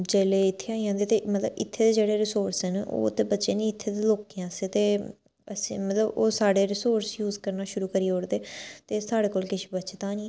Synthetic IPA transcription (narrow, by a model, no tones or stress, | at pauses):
d͡ʒeːleːɪt̪ʰːeːaːiãːnd̪eːt̪eːmət̪ləbɪt̪ʰːeːd̪eːd͡ʒeːɽeːɾɪsoːɾsɦɛno̰ːt̪eːbətːʃeːnĩːɪt̪ʰːeːd̪eːloːkijãːseːt̪eː | əsĩːmət̪ləboːsaːɽeːɾɪsoːɾsjuːzkəɾnaːʃʊɾuːkəɾiːoːɽd̪eːt̪eːsaːɽeːkoːlkɪʃbətːt͡ʃt̪ãːnĩ